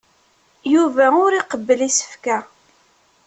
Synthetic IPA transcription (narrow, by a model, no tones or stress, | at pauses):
juvæʊɾiqəbːəlisə̥fkæ